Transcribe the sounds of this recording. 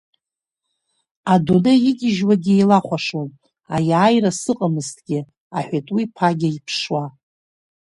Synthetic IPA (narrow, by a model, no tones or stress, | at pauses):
adonajɪɡʲɪʒwaɡʲjlaχʷaʂon | ajaːjrasɨqʼəmɨztʰʼɡʲɪ | aħʷᶣatʼwipʰaɡʲɪipʰʂwa